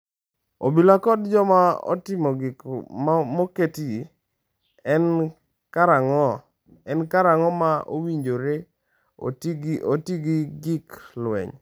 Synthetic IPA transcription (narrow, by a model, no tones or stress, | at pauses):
obilakɔdd͡ʒɔmaɔ̰tɪmɔɡɪmmoketi | ɛn | kaɾaŋɔ | ɛnkaɾaŋɔmaʔo̰wiɲd͡ʒoɾe | o̰tɡʔotiɡiɡiklwɛ̰ɲ